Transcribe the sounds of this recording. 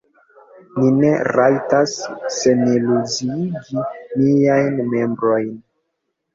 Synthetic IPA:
line̞ɾajtasːe̞nelud͡ʒiiɡiniajnme̞mbɾo̞jn

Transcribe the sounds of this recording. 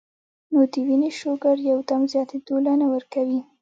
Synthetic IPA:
nod̪iwiniʃoɡaɾjawd̪amzjɑt̪ed̪olanawəɾkawi

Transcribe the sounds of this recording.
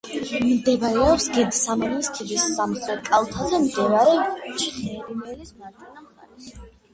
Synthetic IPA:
md̪ɛvaɾɛɔpsɡɛd̪samɔnist̪ʰibisːamχɛkʼalˠt̪ʰazɛmd̪ɛvaɾɛt͡ʃʰχɛ

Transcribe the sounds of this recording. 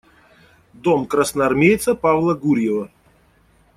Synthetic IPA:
d̪omkrasnɐɐrmʲejt̪səpavlˠəɡuɾʲjɪvə

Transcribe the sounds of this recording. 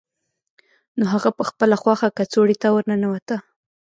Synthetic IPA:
noɦaɣapəxpəlaxwɑxakat͡soɽit̪awəɾnanawat̪a

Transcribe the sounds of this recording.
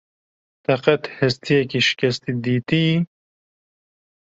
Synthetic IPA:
t̪ɐqɐt̪hɪst̪ʰijɛkiʃɪ̥kɛst̪id̪iːt̪i

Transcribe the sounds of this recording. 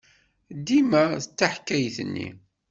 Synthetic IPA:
d̪ːimæθət͡sːaħkːæjθənːḭ

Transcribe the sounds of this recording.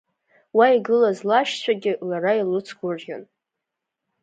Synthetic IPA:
waiɡɨlazlaʃt͡ɕʷʰaɡʲɪlaɾailɨt͡sʰɡʷʊrʒan

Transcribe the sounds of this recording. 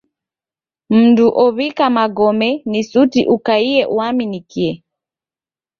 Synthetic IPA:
m̩nduʔɔβikamaɡɔmɛnisutḭʔukaiɛʔuaminikiɛ

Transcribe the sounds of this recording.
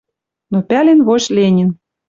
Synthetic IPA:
nopʲælʲenβoɕlʲenʲin

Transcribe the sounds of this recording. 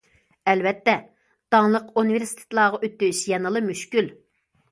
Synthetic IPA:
ɛlvɛt̪ːɛ | d̪̥ɑŋlˠəqunɨveɾsi̥t̪ʰe̥t̪lˠɑːʁɑʔøt̪ːyʃjɛnəlˠɨmyʃkʲyl

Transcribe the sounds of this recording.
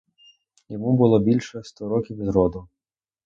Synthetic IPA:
jɔmubʊlˠɔbʲilʲʃɛst̪ɔɾɔkʲiwzɾɔd̪ʊ

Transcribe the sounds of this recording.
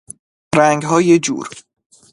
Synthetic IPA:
ɾæŋɡɦɒːjed͡ʒṵːɾ

